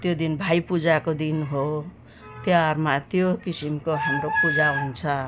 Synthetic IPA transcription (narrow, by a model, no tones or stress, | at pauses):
t̪jod̪inbʱajpud͡zakod̪inɦo | t̪jarmat̪jokisimkoɦamropud͡zaɦunt͡sʰʌ